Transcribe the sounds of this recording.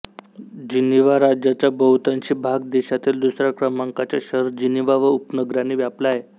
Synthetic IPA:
d͡ʑiniʋaɾad͡ʑjat͡ɕabəɦut̪aɲt͡ɕiːbʱaɡ̚d̪eɕat̪iːld̪usɾakɾəmaŋkat͡ɕaɕəɾd͡ʑiniʋaʋəupnəɡɾaniːʋjaplaɦe

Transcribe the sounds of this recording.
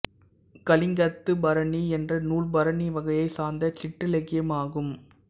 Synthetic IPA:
kɐlɪŋɡɐt̪ːɯbɐɾɐniɛndrɐnuːɭbɐɾɐniʋɐɣɐjɐɪsaːɾnd̪ɐt͡ʃɪʈːɯlɛɣɪjɐmaːɣɯm

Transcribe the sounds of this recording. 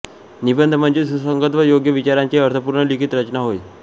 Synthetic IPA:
nibənd̪ʱəm̤əɳd͡ʑesusəŋɡət̪ʋəjoɡjəʋit͡ɕaɾaɲt͡ɕeəɾt̪ʰəpuɾɳəlikʰit̪ɾət͡ɕnaɦoj

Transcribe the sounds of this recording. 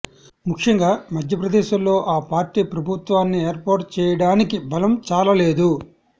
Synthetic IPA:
mukʂɐŋɡaːmɐd̪ʱjɐpɾɐd̪ɛːʃɐmlo̞ːʔaːpaːɾʈiːpɾɐbʱut̪ʋaːnːie̞ːɾpoːɾʈ̚t͡ʃɛːjɐɽaːnikibɐlɐmt͡ʃaːlɐle̞ːd̪u

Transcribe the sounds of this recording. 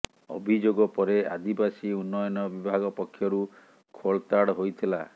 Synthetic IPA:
ɔ̰bʱid͡ʒoɡɔpɔɾea̰d̪ibasiunːɔjɔnɔbibʱaɡɔpɔkʰːjɔɾu | kʰoɭt̪aɽɦojt̪ʰila

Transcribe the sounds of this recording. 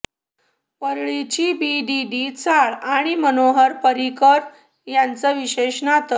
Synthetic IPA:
pəɾɭit͡ɕiːbiɖiɖit͡saɭaɽ̃imənoɦəɾpəɾikəɾ | jant͡səʋiɕeɕnat̪ə

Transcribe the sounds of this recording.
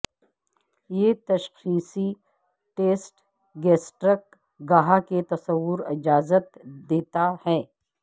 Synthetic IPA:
jet̪ɐʃxiːsi | ʈeːsʈ | ɡɛːsʈɾək̚ | ɡaɦaket̪ɐsəwːʊɾɪd͡ʒaːzət̪d̪eːt̪ahɛː

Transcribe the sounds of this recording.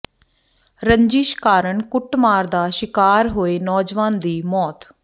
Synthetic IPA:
ɾəɲd͡ʒiːʃkaːɾəɳkʊʈmaːɾd̪aːʃɪkaːɾɦoːeːnɔːd͡ʒʋãːnd̪iːmɔːt̪

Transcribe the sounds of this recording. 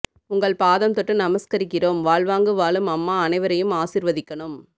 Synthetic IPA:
ʊŋɡɐɭpaːðɐmt̪ɔʈːɯnɐmɐskɐɾɪkːɪroːmʋaːɭʋaːŋɡɯʋaːlɯmɐmːaːɐnɐɪʋɐɾɐjɯmaːsɪɾʋɐðɪkːɐɳɯm

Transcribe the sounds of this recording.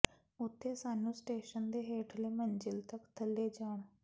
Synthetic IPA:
ʊt̪ʰːeːsaːnũːsʈeːʃənd̪eːɦeːʈʰleːmənd͡ʒɪlt̪əkt̪ʰəlːeːd͡ʒaːɳ

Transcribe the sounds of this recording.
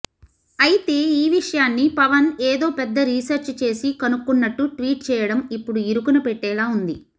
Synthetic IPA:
ɐjit̪e̞ːiːʋiʂɐjaːnːipɐʋɐneːd̪o̞ːpɛd̪ːɐɾiːsɐɾt͡ʃt͡ʃe̞ːsikɐnukːunːɐʈːuʈʋiːʈ̚t͡ʃɛːjɐɽɐmipːuɽuiɾukunɐpɛʈːɛːlaːund̪i

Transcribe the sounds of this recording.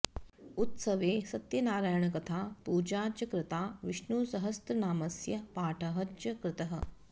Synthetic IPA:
ut̪sɐʋeːsɐt̪jɐnaːɾaːjɐɳɐkɐt̪ʰaːpuːd͡ʒaːt͡ʃɐkɾɪt̪aːʋiʂnuːsɐɦɐst̪ɐnaːmɐsjɐpaːʈʰɐɦɐd͡ʒjɐkɾɪt̪ɐɦɐ̆

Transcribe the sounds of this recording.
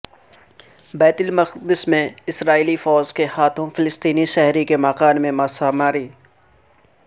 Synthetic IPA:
bɛːt̪ɪlmɐqd̪ɪsmẽɪsɾaːiːlifɔːzkehaːt̪ʰõfɪlɪst̪iːniʃɛɦɾikemaːqaːnmẽmaːsaːmaːɾiː

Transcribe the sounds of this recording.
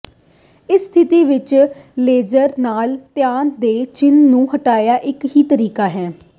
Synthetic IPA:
ɪsːt̪ʰɪt̪iːʋɪt͡ʃleːd͡ʒəɾnaːlt̪ɪjaːnd̪eːt͡ʃɪnnũːɦəʈaːjaːʔɪkɦiːt̪əɾiːkaːɦɛː

